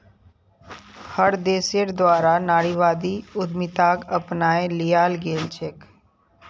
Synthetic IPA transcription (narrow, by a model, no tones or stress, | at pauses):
həɽd̪eːsəɽd̪waːɾanaːɽiʋaːd̪iʊd̪mɪt̪aːkəpnaːẽlijaːlɡeːlt͡ʃʰeːk